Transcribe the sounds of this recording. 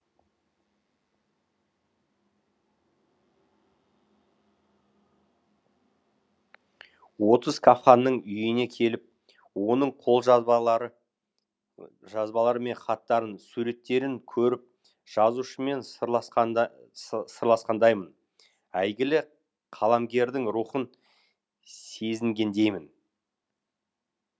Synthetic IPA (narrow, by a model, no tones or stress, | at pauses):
wo̞t̪əz̥kʰafχɑnːəɴʏjɪne̞kʲʰe̞lɪp̚ | wo̞nəɴqʰo̞lˠʒɾ | ʒɑzbɑlˠɑɾəme̞ɴχʰɑt̪ːɑɾənsuɾe̞t̪ːe̞ɾɪŋkʲʰɵɾɪp̚ | ʒ̥ɑzuʃəme̞n | səɾlˠɑsqɑnd̪ɑjmən | æjɡʲɪlɪ | qʰɑlˠɑmɡʲe̞ɾd̪ɪŋɾuχən | se̞zɪŋɡʲe̞nd̪e̞jmɪn